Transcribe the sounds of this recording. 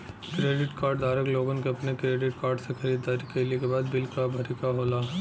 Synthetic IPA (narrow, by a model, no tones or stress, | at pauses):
kɾeːɖɪʈkaːɾɖd̪aːɾəkloːɡonkeɐpnekɾeːɖɪʈ̚kaːɾɖsexɐɾiːd̪ːaːɾikeliekebaːd̪bɪlkabʱɐɾɪkaɦoːlaː